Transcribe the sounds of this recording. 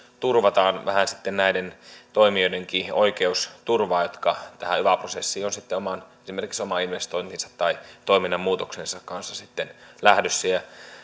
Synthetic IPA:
t̪urʋɑt̪ɑːnʋæhænsit̪ːennæident̪oimioideŋkioikeust̪urʋɑːjot̪kɑt̪æhæyʋæprosesːiːonsit̪ːeomɑnesimerkiksomɑinʋest̪oint̪insɑt̪ːɑit̪oiminːɑmmuːt̪oksensɑkkɑnsːɑsit̪ːenlæhdøsːæjæ

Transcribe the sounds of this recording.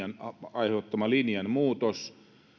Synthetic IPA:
ɑnɑiheˑut̪ːɑmɑlinjɑnmuːt̪os

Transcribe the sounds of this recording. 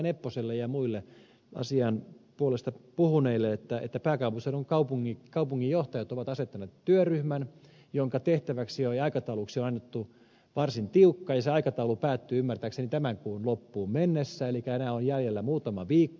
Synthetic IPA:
nepːoselːejɑmuilːe | ɑ̰siɑnpuolest̪ɑpuhuneilːeet̪ːæḛt̪ːæpæːkɑupusenoŋkɑupuŋːikɑupuŋːijoht̪ɑjɑt̪oʋɑt̪ɑset̪ːɑneːt̪tyøryhmæn | joŋkɑt̪eht̪æʋæksijoiɑikɑt̪ɑuluksionɑnːet̪ːu | ʋɑrsint̪iukːɑːjɑseɑikɑt̪ɑulupæːt̪ːyːymːært̪æːksenit̪æmæŋkuːnlopːuːmmenːesːæelikæenæːonjæljelːæmuːt̪ɑmɑʋiːkːo

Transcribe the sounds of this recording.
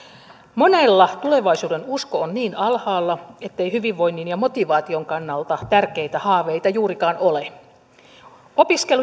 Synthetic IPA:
monelːɑt̪ule̞ʋɑisuːde̞nuskoonniːnɑlhɑːlːɑe̞t̪ːejhyʋiʋːo̞jnːinjɑmo̞t̪iʋɑːt̪ioŋkɑnːɑlt̪ɑt̪ærkejt̪æhɑːʋejt̪ɑjuːɾikɑːnole | opiskelu

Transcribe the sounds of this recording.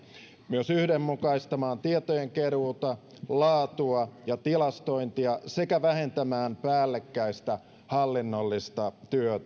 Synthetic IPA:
myøsyhdemːukɑist̪ɑmɑːnt̪iet̪ojeŋkeruːt̪ɑ | lɑːt̪uɑjɑt̪ilɑst̪oint̪iɑsekæʋæhe̞nt̪æmæːmpæːlːekːæist̪æ | hɑlːinːolːist̪ɑt̪yøt̪æ

